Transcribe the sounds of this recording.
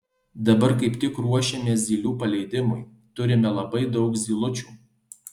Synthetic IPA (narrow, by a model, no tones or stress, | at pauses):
d̪ɐbɐɾkɐɪpt̪ʲɪkɾuɔʃʲɛmʲeːzʲiːlʲuːpɐlʲɛɪd̪ʲɪmʊj | t̪ʊɾʲɪmʲɛlˠɐbɐɪd̪ɒʊkzʲiːlˠʊt͡ʃʲuː